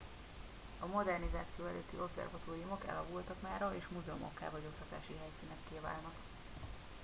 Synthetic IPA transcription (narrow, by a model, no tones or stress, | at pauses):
ɒmo̞d̪ɛrnizaːt̪sijoːɛ̰løːt̪ːiʔo̞bzɛ̰rvɒt̪oːrijumo̞kɛ̰lɒvult̪ɒkmaːɾɒeːʃmuzɛomʔɒ̰kːa̰ːvɒɟo̞k̚t̪ɒt̪a̰ːʃiɦɛjsiːnɛkːeːva̰ːlnɒk